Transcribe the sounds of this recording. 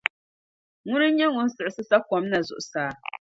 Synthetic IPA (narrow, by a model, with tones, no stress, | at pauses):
ŋʊ˦nɨ˦ɲɛ˦ŋʊ˦n̩˦sɨ˨ɾɨ˨sɨ˦sa˦kɔ˦mna˨zʊ̰˨ʔʊ˨saː˦